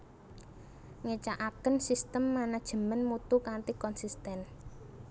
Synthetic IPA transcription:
ŋet͡ʃaʔakənsist̪əmːanad̥ʒ̥ə̤mənmut̪ukant̪ikɔnsist̪ɛn

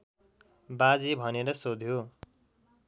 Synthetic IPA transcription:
bad͡zibʱʌneɾʌsod̪ʱjo

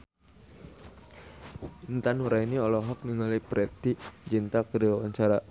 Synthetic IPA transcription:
int̪anuɾainiɔlɔɦɔk̚niŋalipɾʔɛt̪id͡ʒint̪akəɾiwawaɲt͡ʃaɾa

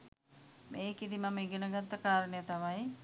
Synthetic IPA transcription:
meːkid̪imamiɡenəɡat̪ːəkaːɾənəjət̪amaj

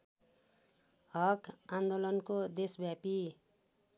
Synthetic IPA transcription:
ɦʌkand̪olʌnkod̪esbjapi

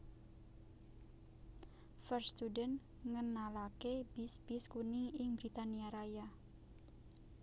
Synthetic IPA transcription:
fərst̪udɛn | ŋənalakeb̥isb̥iskuniɪŋbɾit̪aniaɾaja

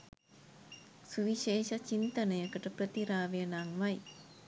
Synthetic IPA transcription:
suʋiʃeːʃat͡ʃint̪ənəjəkəʈəprət̪iɾaːʋejənaŋʋaj

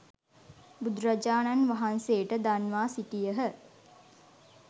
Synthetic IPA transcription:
bud̪ɾad͡ʒaːnanʋaɦanseːʈəd̪anʋaːsiʈijəɦə

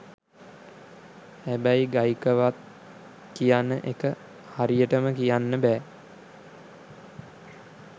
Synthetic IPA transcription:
hæbæjɡajkəʋat̪̚ | kijanːəʔekə | haɾijəʈəməkijanːəbæː

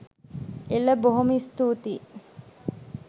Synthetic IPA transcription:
elɐboɦumist̪uːt̪iː

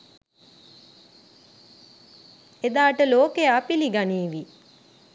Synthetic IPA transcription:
ed̪aːʈəloːkejaːpiliɡaniːʋi

